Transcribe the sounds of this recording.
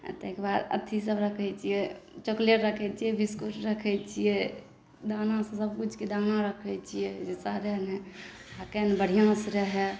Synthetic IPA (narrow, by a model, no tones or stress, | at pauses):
t̪ekbaɾə̰t̪ʰisəbɾəkʰɛt͡ʃʰijɛt͡ʃokleʈɾəkʰɛt͡ʃʰijɛbiskuʈɾəkʰɛt͡ʃʰijɛ | d̪anãsẽsəbkut͡ʃʰked̪anaɾəkʰɛt͡ʃʰijɛd͡ʒesaɾɛɦnɛ | akɛnbəɽ̤ijãsɾəɦɛ